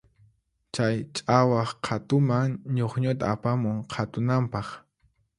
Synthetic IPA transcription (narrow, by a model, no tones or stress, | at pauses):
t͡ʃajt͡ʃʼawɑχqʰat̪ʊmaŋɲoχɲʊt̪aːpamʊŋqʰat̪ʊnampɑχ